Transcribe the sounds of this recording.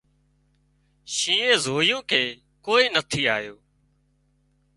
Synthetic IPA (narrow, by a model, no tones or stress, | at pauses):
ʃĩːẽːzoːɪjõːkʰeː | koːiːnət̪ʰiːaːjoː